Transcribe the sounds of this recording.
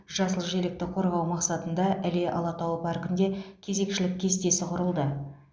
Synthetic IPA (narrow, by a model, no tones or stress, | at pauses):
ʒ̥ɑsəlˠʒe̞lɪk̚t̪ɪqʰo̞ɾʁɑwmɑqsɑt̪ənd̪ɑʔæle̞ʔɑ̰lˠɑt̪ɑwəpʰɑɾkɪnd̪e̞kʲʰe̞ze̞kʃɪlɪkʲʰːe̞st̪e̞sɪqʰʊɾəlˠd̪ə